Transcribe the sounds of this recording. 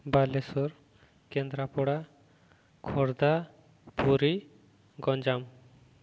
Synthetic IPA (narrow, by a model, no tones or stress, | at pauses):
balesɔɾ | kɛnd̪ɾapɔɽa | kʰɔɾd̪a | puɾi | ɡɔ̃nd͡ʒam